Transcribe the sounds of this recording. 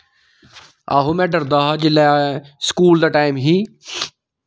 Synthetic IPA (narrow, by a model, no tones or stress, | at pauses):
a̰ːɦomɛ̃ːɖəɾd̪aːɦad͡ʒɪlaskuːld̪əʈaːɪmɦiː